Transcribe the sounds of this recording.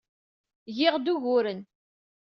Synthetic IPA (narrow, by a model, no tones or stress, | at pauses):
jɪʁd̪uʝʊɾən